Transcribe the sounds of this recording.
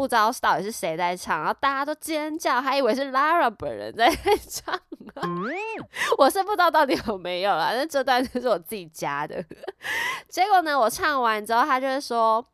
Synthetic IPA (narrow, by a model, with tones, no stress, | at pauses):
u˥˧t͡sɑ˥ʊ˥t̪ɑ˥˨˩ʊi˨˩ʂɻ̩˥˩ʂe˧˥ɪt͡sa˥˧ɪʈ͡ʂʰɑ˥˩ŋɻo˥˧t̪a˥˧˩t͡ɕja˥t̪o˥ʊt͡ɕɛ˥ə˥nt͡ɕjɑ˥˩ʊt̪a˥i˨˩we˧ɪʂ̬ɻ̩˥˩la˥ɻa˨˩pə̰˨˩nɻə̰˧˦nt͡sa˥˧ɪ˥˩ɪʈ͡ʂʰɑ˥˩ŋə | wɔ˨ʂə˥˧pu˥˧t͡sɑ˥ʊt̪ɑ˥˩ʊt̪i˧˥jo˨˩ʊme˧˥ɪjo˨˩lə̰˩na˥˧ʈ͡ʂɤ˥˧t̪wa˥˧nt̪o˧˥ʂɻ̩˥˩wɔ˨˩t͡sɨ˥˩t͡ɕi˨˩t͡ɕja˥d̪ə̰˨ | t͡ɕjɛ˧˥ko˨˩nə˩wɔ˨˩ʈ͡ʂʰɑ˥˩ŋwa˧˥nʈ͡ʂɻ̩˧˥xo˥˧ʊt̪ʰa˥t͡ɕjʊʂɻ̩˥˩ʂwɔ˥